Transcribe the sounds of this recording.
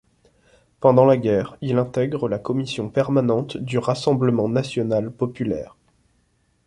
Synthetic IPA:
pɑ̃d̪ɑ̃laɡʲɛʁilɛ̃t̪ɛɡʁəlakɔmisjɔ̃pɛʁmanɑ̃t̪d̪yʁasɑ̃bləmɑ̃nasjɔnalpɔpylɛ̰ːʁ

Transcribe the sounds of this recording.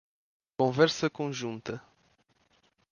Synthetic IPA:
kõnvɛrsəkõnʒunt̪ə

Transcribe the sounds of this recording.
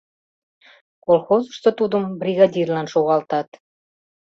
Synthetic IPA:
kolˠxozəʃt̪ot̪ud̪əmbrʲiɣɑdʲirlɑnʃoɣɑlt̪ɑt̪

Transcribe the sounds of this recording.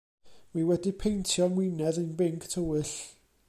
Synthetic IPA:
miwɛdipʰejntʰjɔmwinɛðənbɪŋkʰtʰəwɨɬ

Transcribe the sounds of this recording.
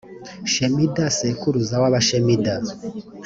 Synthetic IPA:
ʃemidasekuɾuzawaβaʃemida

